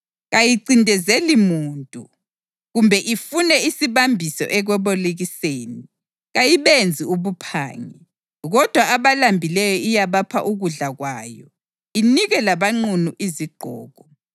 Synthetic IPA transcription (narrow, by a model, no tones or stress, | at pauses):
ɣajiǀindʱɛzelimuːntʼṵ | ɣumbʱɛʔifunɛisiβambʱisɔ̰ʔɛɣwɛβoliɣiseːni | ɣajiβend͡zʱiuβupʰa̰ːŋɛ | ɣɔd̥ʱwaaβalambʱilɛjɔijaβapʰa̰ʔuɣuɮaɣwaːjɔ̰ | iniɣɛlaβaŋ͡ǀunuʔiziɡ͡ǃʱɔ̰ːɣɔ